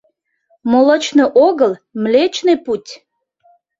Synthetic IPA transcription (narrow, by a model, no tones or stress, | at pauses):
molət͡ɕneʔoɣəlmlet͡ɕneputʲ